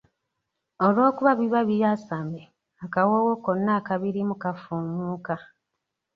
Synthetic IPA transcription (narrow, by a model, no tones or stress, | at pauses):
olwo̞ːkuβaβiβaβijasame | akawowokonːaːkaβiɾimukafuːmuːka